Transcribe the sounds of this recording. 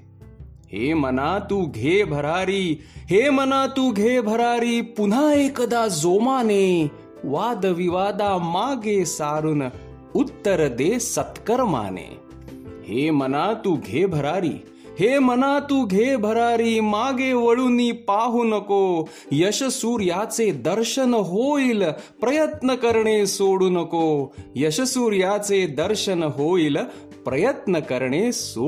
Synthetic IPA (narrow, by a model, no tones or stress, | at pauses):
hḛːmɐnaːt̪uɡʱeːbʱɐɾaːɾiɦeːmɐnaːt̪uɡʱeːbʱɐɾaːɾipun̤aːeːkɐd̪aːzoːmaːneː | ʋaːd̪ɐʋiʋaːd̪aːmaːɡeːsaːɾunɐ | ut̪ːɐɾɐd̪eːsɐt̪kɐɾma̰ːnḛː | heːmɐnaːt̪uɡʱeːbʱɐɾaːɾḭː | ɦeːmɐnaːt̪uːɡʱeːbʱɐɾaːɾiːmaːɡeːʋɐɭunːiːpaːɦunɐkoː | jɐʃɐsuːɾjaːt͡seːd̪ɐɾʃɐnɐɦoːilpɾɐjɐt̪nɐkɐɾɳeːsoːɽunɐkoːjɐʃɐsuːɾjaːt͡seːd̪ɐɾʃɐnɐɦoːil | pɾɐjɐt̪nɐkɐɾɳeːsoː